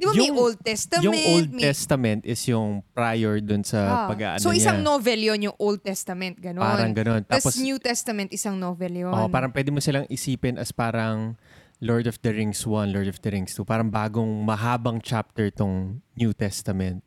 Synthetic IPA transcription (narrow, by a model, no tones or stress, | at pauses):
d̪ɪbajʊŋold̪̚t̪ɛst̪ɐmjʊŋʔowld̪̚ɛst̪ɐmɛnt̪ʔɪsjʊŋpɾajɛɹd̪ʊnsɐpɐɡɡa̰ʔɐ̰nsoʔɪɲaŋnovɛljonjʊŋʔold̪̚t̪ɛst̪ɐmɛnt̪̚ɡɐnopaːɾɐŋɡɐno̞nt̪aːposnjuːt̪ɛst̪ɐmɛ̃nt̪ʔɪsaŋnoːvɛljoopaːɾɐŋpwɛːd̪ɪmosɪlaŋʔɪsiːpɪnʔɐspaːɾɐŋ | loɹd̪ɔfd̪ɐɹɪŋswɐnlɔɹd̪ɔfd̪ɐɾɪŋst̪upaːɾɐŋbaːɡoŋmɐɦaːbɐŋt͡ʃap̚t̪ɛɹt̪oŋnjuːt̪ɛst̪ɐmɛnt̪̚